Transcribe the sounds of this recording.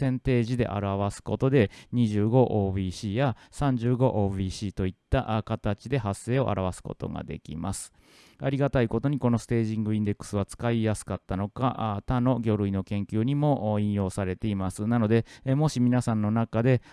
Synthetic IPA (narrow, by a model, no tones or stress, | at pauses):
ẽ̞nt̪e̞ːʑid̪e̞̰ʔa̰ɾaβ̞asɨ̥ko̞t̪o̞d̪e̞ɲ̟iʑɨːɡo̞ʔoːbiːɕiːjasãɲ̟d͡ʑɨːɡo̞ʔoːbiːɕiːt̪o̞it̪ːa̰ʔkat̪at͡ɕid̪e̞ɦasːe̞ːo̞ʔa̰ɾʔaβasɨ̥ko̞̰t̪o̞̰ɡa̰d̪e̞̰kʲḭma̰sɨ̥ | aɾʲiɡat̪aiko̞t̪o̞ɲ̟iko̞no̞sɨ̥t̪e̞ːʑĩŋɡɯ̟ĩnd̪e̞kːɯ̥sɨβ̞at͡sɨ̥kaijasɨ̥kat̪ːano̞kat̪ano̞ɡʲo̞ːɾɯ̟ino̞kẽ̞ŋkʲɨːɲ̟imo̞ʔĩɰ̃jo̞ːsaɾe̞t̪e̞imasɨnano̞d̪e̞mo̞ɕimʲinasãnːo̞nakad̪e̞